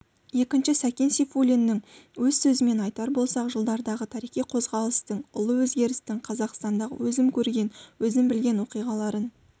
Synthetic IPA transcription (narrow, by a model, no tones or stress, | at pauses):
je̞kʲɪnʃɪsækʲe̞nsifulʲinːɪŋwɵzsɵzɪme̞nɑjt̪ɑɾbo̞lˠsɑqʒəlˠd̪ɑɾd̪ɑʁət̪ʰɑɾijχijqʰo̞zʁɑlˠəst̪əɴʊlˠəwɵzɡʲe̞ɾɪst̪ɪɴqʰɑzɑqst̪ɑnd̪ɑʁə̰wɵzɪmkʲʰɵɾɡʲe̞nwɵzɪmbɪlɡʲe̞nwo̞qijʁɑlˠɑɾən